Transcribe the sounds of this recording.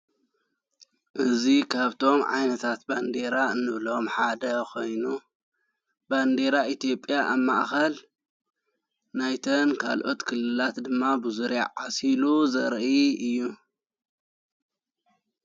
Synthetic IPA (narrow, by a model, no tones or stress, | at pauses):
ʔɨzikʰaβt̪ʰo̞mʕa̰jnɐt̪ʰat̪̚band̪e̞ɾaɨnːɨβlo̞mħad̪ɐkʰo̞jnu | band̪e̞ɾaʔit̪ijo̞pʼjaʔaβmaʔxɐl | najt̪ʰɐnkʰa̰lʔo̞t̪kʰɨlːɨlat̪d̪ɨmːabɨzuɾa̰ʕasiluzɐɾʔiɨjːu